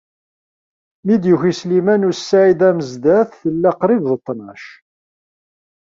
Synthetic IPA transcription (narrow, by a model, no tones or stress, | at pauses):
mid̪juçislimænusːaʕid̪æməzd̪æθθəlːæqɾivðət̪ˤːnɑʃ